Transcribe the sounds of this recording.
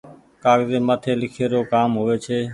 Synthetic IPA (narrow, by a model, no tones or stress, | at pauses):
kaːɡzeːmət̪ʰeːlɪkʰeːɾoːkaːmɦʊʋeːt͡ʃʰeː